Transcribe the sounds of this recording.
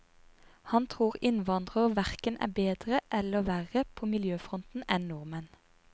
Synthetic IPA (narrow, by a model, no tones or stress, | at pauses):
hɑnt̪ʰʁuːʁɪnʋɑnd̪ʁəʁʋæʁkənʔæ̰ːbeːd̪ʁəʔɛləʋæʁəpʰoːmɪljøːfʁɔnt̪n̩ɛnnʊʁmən